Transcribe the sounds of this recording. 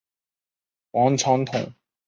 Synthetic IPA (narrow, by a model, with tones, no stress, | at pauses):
wɑ˧˥ŋʈ͡ʂʰɑ˧˥ŋt̪ʰʊ˨˩ŋ